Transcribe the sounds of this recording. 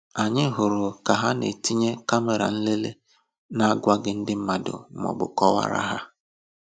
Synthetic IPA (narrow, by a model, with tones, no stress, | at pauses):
a˨ɲɪ˦ɦʊ˨ɾʊ˨ka˨ɦa˦nḛ˨ti˦ɲe˦ka˦me˨ɾa̰˨n̩˦le˦le˦ | na˦a˦ɡʷa˦ɡɪ˦n̩˦dɪ˦m̩˦ma˨dʊ̰˨˦mɔ̰˨bʊ̰˨kɔ˦wa̰˦ɾa̰˦ɦa˦